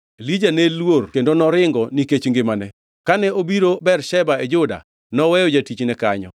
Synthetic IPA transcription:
lid͡ʒanelworkendonɔɾɪŋɡɔniket͡ʃŋɡɪmanɛ | kanɛobiɾobɛrʃɛbaed͡ʒʊda̰ | nɔwɛjod͡ʒatit͡ʃnɛkaɲɔ̰

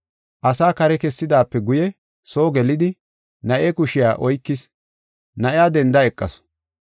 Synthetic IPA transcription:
ʔɐsaːkɐɾɛkɛsːɪd̪aːpːɛɡʊjɛ | so̞ːɡɛlɪd̪ɪ | nɐʔɛkʊʃɪjaːʔɔjkːɪs | nɐʔɪjaːd̪ɛnd̪ɐɛkʼːɐ̰s

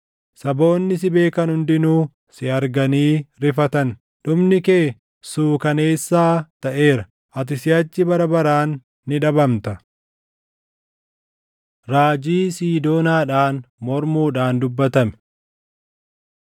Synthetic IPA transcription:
sɐbo̞ːnːɪs̬ɪbe̞ːkɐnhʊnd̪ɪnuː | sɪɐɾɡɐniːɾɪfɐt̪ɐn | ᶑʊmnɪke̞ː | suːkɐne̞ːsːaːt̪ɐʔe̞ːɾɐ | ʔɐt̪̬ɪsɪɐt͡ʃːɪbɐɾɐbɐɾaːnː | ɪᶑɐbɐmt̪ɐ | ɾaːd͡ʒiːsiːd̪o̞ːnaːᶑaːnmɔɾmuːᶑaːnd̪ʊbːɐt̪ɐmɛ

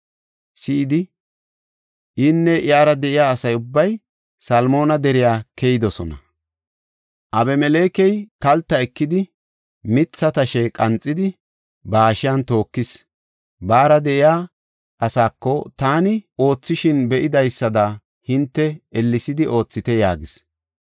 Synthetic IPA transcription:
sɪɪd̪ɪ | ʔɪnːɛʔɪjaːɾɐd̪ɛʔɪjaːsɐjʊbːɐj | sɐlmo̞ːnɐd̪ɛɾɪjaːkʰɛjɪd̪ɔsɔ̰nɐ | ʔɐbɛmɛle̞ːkɛjkɐlt̪ːɐɛkːɪd̪ɪ | mɪt͡sːɐt̪ɐʃɛkʼɐnt͡sʼːɪd̪ɪ | baːʃɪjɐnt̪o̞ːkːɪs | baːɾɐd̪ɛʔɪjaː | ʔɐsaːkːɔt̪aːnɪo̞ːt͡sːɪʃɪnbɛʔɪd̪ɐjsːɐd̪ɐ | hɪnt̪ːɛɛlːɪsɪd̪ɪʔo̞ːt͡sːɪt̪ɛjaːɡɪs

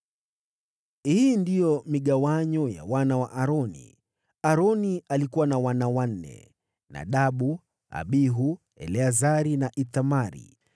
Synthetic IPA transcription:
hiːndijɔmiɠawaɲɔja̰wanawaʔaɾɔnḭ | aɾɔnialikuwanawanawan̩nɛ̰ | na̰ɗaɓu | a̰ɓiɦu | ɛ̰lɛazaɾinaʔiθamaɾḭ

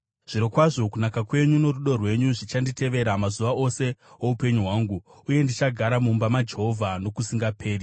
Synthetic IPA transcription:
ʐ̥iɾokwaʐo̞kunakakwe̞ɲuno̞ruɗo̞rwe̞ɲuʐit͡ʃandite̞ʋe̞ɾamazuʋao̞se̞oupe̞ɲuɦwaːŋɡuː | je̞ndit͡ʃaɡʱaɾamumbamad͡ʒe̞ɦo̞vʱano̞kusiŋɡapʰe̞ːri

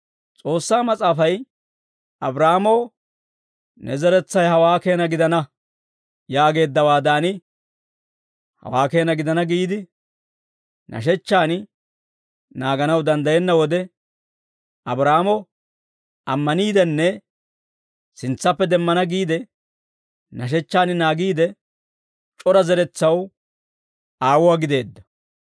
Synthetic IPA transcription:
t͡sʼo̞ːsːaːmɐt͡sʼaːfɐj | ɐbɾaːmɔː | nʔɛzɛɾɛt͡sːɐjɦɐwaːke̞ːnɐɡɪd̪ɐnɐ | jaːɡe̞ːd̪ːɐwaːd̪aːnɪ | hɐ̰waːke̞ːnɐɡɪd̪ɐnɐɡiːd̪ɪ | nʔɐ̰ʃ̬ɛt͡ʃːaːn | naːɡɐnɐwd̪ɐnd̪ɐjɛnːɐwɔd̪ɛ | ɐbɾaːamɔ | ɐmːɐniːd̪ɛnːɛ | sɪnt͡sːɐpːɛd̪ɛmːɐnɐɡiːd̪ɛ | nɐʃ̬ɛt͡ʃːaːnɪnaːɡiːd̪ɛ | t͡ʃʼɔɾɐzɛɾɛt͡sːɐw | aːwʊwaɡɪd̪e̞ːd̪ːɐ̥

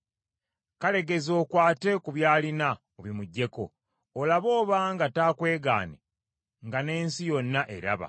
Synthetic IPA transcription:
kale̞ɡe̞zo̞ːkwaːte̞kuβjaːlina | oβimuɟːe̞ko̞̰ː | laβo̞ːβaŋɡataːkwe̞ːɡa̰ːnḛ | ŋɡane̞ːnsijo̞nːaʔeɾa̰βa̰

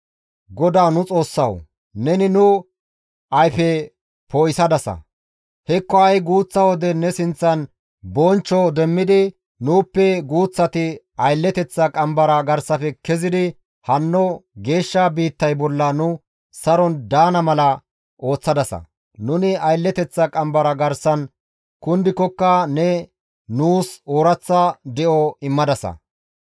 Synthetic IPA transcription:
ɡɔd̪aːnʊt͡sʼo̞ːsːɐw | nɛnɪnʊ | ɐjfɛ | poːjsɐd̪ɐsɐ̰ | hɛkːɔɐjɡuːt͡sːɐwɔd̪ɛnɛsɪnt͡sːɐn | bɔnt͡ʃːɔd̪ɛmːɪd̪ɪ | nuːpːɛɡuːt͡sːɐt̪ɪ | ɐjlːɛt̪ɛt͡sːɐkʼɐmbɐɾɐɡɐɾsɐfɛkɛzɪd̪ɪ | hɐnːɔɡe̞ːʃːabiːt̪ːɐjbɔlːɐnʊ | sɐɾɔnd̪aːnɐmɐlɐ | o̞ːt͡sːɐd̪ɐsɐ̰ | nʊnɪɐjlːɛt̪ɛt͡sːɐkʼɐmbɐɾɐɡɐɾsɐn | kʊnd̪ɪkɔkːɐnɛ | nuːsoːɾɐt͡sːɐd̪ɛʔɔɪmːɐd̪ɐsɐ̰

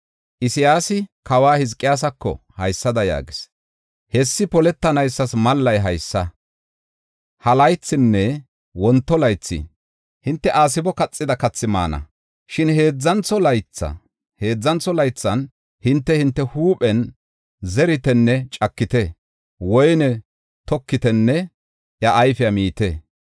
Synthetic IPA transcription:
ʔɪsɪjaːsɪkɐwaːhɪzkʼːɪjaːs̬ɐkːɔ̰hɐjsːɐd̪ɐja̰ːɡɪs | hɛsːɪpɔlɛt̪ːɐnɐjsːɐsmɐlːɐjɦɐjsːɐ | hɐlɐjt͡sːɪnːɛ | wɔnt̪ːɔlɐjt͡sːɪ̰ | hɪnt̪ːɛʔaːs̬ɪbɔkɐt͡sʼːɪd̪ɐkɐt͡sːɪma̰ːnɐ̰ | ʃɪnhe̞ːd͡zːɐnt͡sːɔlɐjt͡sːɐ̰ | he̞ːd͡zːɐnt͡sːɔlɐjt͡sːɐn | hɪnt̪ːɛhɪnt̪ːɛhuːpʼɛn | zɛɾɪt̪ɛnːɛt͡ʃʼɐkːɪt̪ɛ | wɔjnɛ | t̪ɔkːɪt̪ɛnːɛ | ʔjɐʔːjfɪjɐmiːt̪ɛ

